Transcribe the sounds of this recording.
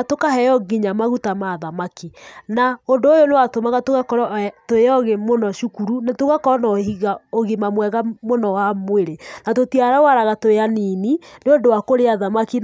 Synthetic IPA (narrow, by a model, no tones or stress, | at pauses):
atokahɛjɔɣiɲamaɣutamaðamakinaondoːjonewatomaɣatoɣakɔɾɔtoeɔɣemonɔʃukuɾunatoɣakɔɾɔnaɦiɣaoɣemamwɛɣamonɔwamweɾenatotiaɾawaɾaɣatoeaninineondowakoɾeaðamakin